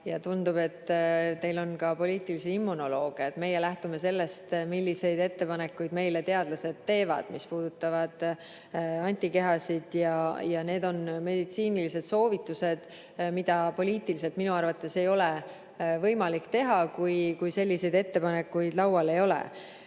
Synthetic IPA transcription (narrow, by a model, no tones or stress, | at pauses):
jɑt̪und̪ub̥e̞t̪ːt̪e̞jlo̞nkɑpo̞lʲiːt̪ːˑiliseimːuno̞lo̞ːɡ̥iɑet̪me̞jːelæht̪ume̞se̞lːe̞st̪milʲːise̞jd̪̥e̞t̪ːe̞pɑnekːˑujd̪me̞jle̞t̪e̞ɑd̪̥lɑse̞d̪̥t̪ːe̞ːvɑ̰d̪̥mispuːd̪̥ut̪ːˑɑvɑd̪̥ | ɑnʲt̪ʲːˑike̞ɦɑsid̪̥jɑjɑne̞ːd̪o̞nme̞d̪̥it̪siːnilise̞d̪̥so̞ːvit̪ːˑuse̞d̪̥ | mid̪̥ɑpo̞lʲiːt̪ːˑilis̬e̞lt̪minuɑrvɑt̪ːˑe̞se̞jo̞le | vɤ̞jmɑlikt̪e̞ɦɑkujkujse̞lʲːise̞jd̪̥e̞t̪ːe̞pɑne̞kːujd̪̥lɑwɑle̞jo̞lḛ